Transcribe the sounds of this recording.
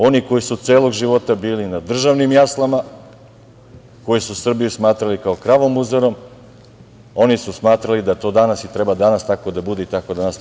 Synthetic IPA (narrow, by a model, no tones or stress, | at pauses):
o̞niko̞jisut̪seːlˠo̞ɡʒiʋo̞t̪abiːlinad̪r̩ʒaʋnimjaslˠama | ko̞jisusr̩bijusmaːt̪ɾalikaokɾaʋomuzaɾo̞m | o̞nisusmaːt̪ɾalid̪at̪o̞ːd̪anasit̪ɾe̞bad̪anast̪ako̞d̪abud̪eit̪ako̞d̪anas